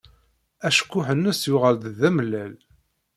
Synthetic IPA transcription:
æʃə̥kʷːʊħənːəsjʊʁəld̪ðæməlːæl

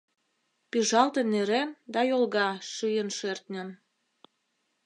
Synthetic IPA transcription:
piʒɑlt̪enːeɾend̪ɑjolɣɑʃɯjənʃert̪nʲən

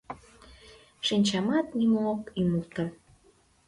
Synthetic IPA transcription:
ʃinʲt͡ɕɑmɑt̪nimookyməlt̪ə

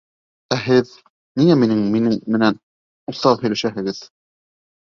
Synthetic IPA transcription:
æɦɘð | niŋæminɘŋminɘŋmɘ̆næn | uθɑlˠhɵ̆læʃæɦɘ̆ɡɘð

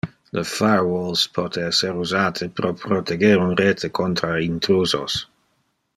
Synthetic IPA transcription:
lʔəfaɹwolspʰɔt̪ʰeɛseɾuzaːt̪ʰəpɾopɾot̪ʰeɡeːɾunɾeːt̪ʰekʰont̪ɾaint̪ɾuːzo̰s

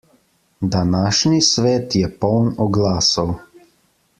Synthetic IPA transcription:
d̪anaːʃnisʋɛːt̪jɛpɔwnɔɡlaːsəw

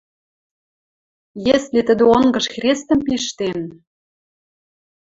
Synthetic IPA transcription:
jeslet̪ə̆d̪ɘ̆oŋɡɤ̆ʃxrʲest̪ə̆mpiʃt̪en

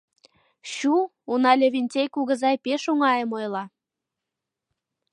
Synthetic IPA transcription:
ɕu | unɑlʲeβʲinʲtʲejkuɣə̆zɑjpeʃuŋɑjəmojlɑ

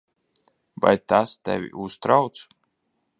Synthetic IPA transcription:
va̰jt̪ast̪ɛ̰vʲḭʔust̪ɾawt̪s

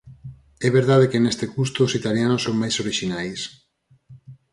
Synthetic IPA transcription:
ɛβeɾðað̞ekenest̪ekust̪oːsit̪aljanosoŋmajsoɾiʃinajs

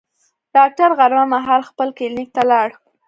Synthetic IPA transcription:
ɖ̥ɑk̚ʈaɾɣaɾmamaɦɑlxpəlkɪlnɪk̚t̪alɑɽ

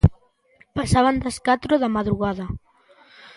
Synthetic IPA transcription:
pasaβ̞and̪ɐskat̪ɾoðamaðɾuɣaðɐ

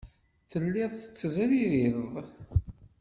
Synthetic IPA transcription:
θəlːiðˤə̥t͡sːəzɾiɾiððˤ

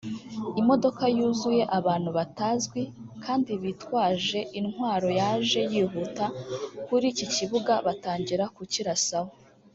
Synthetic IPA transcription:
imo̞do̞kajuːzuje̞ʔaβaːn̥huβatazɡwikʰaːndiβitwaːʒe̞ʔinhwaːɾo̞jaʒe̞jiːɦutakuɾiːciciβuɡaβataːɲɟiɾakuciɾasaho

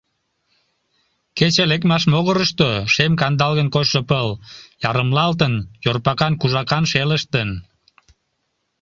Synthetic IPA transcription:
ket͡ɕelekmɑʃmoɣəɾəʃt̪oʃemkɑnd̪ɑlɣənkot͡ɕʃəpəljɑɾəmlɑlt̪ənjorpɑkɑnkuʒɑkɑnʃeləʃt̪ən

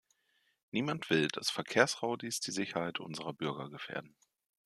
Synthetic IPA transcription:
niːmantv̥ɪld̥asfɛɐkʰeːɐsʁaʊdisd̥iːzɪçɐhaɪtʔʊ̰nzəʁɐbʏɐɡɐɡəfḛːɐdn̩

